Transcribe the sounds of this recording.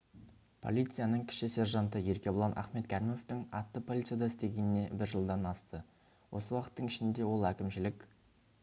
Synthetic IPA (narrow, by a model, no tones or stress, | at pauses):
pʰo̞̰lʲˠijt̪sɨjanəɴkʲʰɪ̥ʃɪse̞ɾʒɑnt̪əje̞ɾkʲe̞bolˠɑnʔɑ̰χme̞t̪kʲʰæɾɪmo̞ft̪ɪŋɑt̪ːəpʰo̞lʲˠit̪sɨjad̪ɑɪst̪e̞ɡʲe̞nɪne̞bɪɾʒəlˠd̪ɑnɑst̪ə | wo̞səwɑqə̥t̪ːəɴɪʃɪnd̪e̞wo̞lˠækʲɪmʃɪlɪkʲ